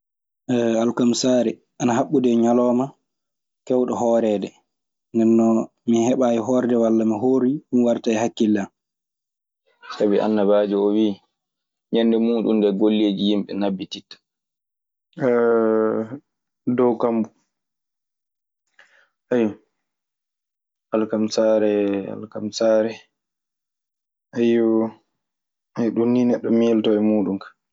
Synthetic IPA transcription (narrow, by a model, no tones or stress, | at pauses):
ʔɛalkamsaːɾɛ | ʔanaɦaɓːudɛɲalɔːma | kɛwɗɔɦɔːɾɛdɛ | ndɛnːɔ | mihɛɓaːjiɦɔːɾɛdɛwalːamiɦoːɾiɗumwaɾtaɛhakːilːa | sabiʔa̰nːaβaːd͡ʒuɔwiː | ɲɛndɛmuːɗṵndɛɡolːed͡ʒijimɓɛnabːititːḁ | dɔwkambu | ajɔ | alkamsaɾɛa̰lkamsaːɾɛ | ajɔ | ɛjɗunːinɛɗːɔmiltɔɛmuːɗunkḁ